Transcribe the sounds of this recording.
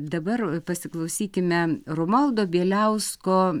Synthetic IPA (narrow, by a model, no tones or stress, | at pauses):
d̪ɐbɐrpɐsʲɪklˠɐʊsʲiːkʲɪmʲɛromɐlˠd̪oːbʲiɛlʲɛʊskoː